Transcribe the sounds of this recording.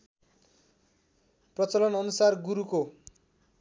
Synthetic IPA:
prʌt͡sʌlʌnʌnusarɡuɾuko

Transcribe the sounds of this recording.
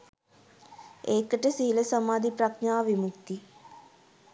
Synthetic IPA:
eːkːɐʈesiɦilɐsɐmaːd̪ʱipɾɐknaːʋimukt̪i

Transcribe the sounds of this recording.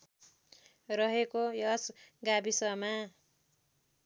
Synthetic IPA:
rʌɦekojʌsɡabisʌma

